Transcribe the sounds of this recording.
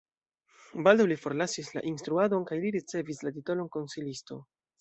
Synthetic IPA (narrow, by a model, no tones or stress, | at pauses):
baldawlifo̞ɾlasisla̰ʔinstɾuado̞nkajliɾit͡se̞vislatito̞lo̞nko̞nsilisto̞̰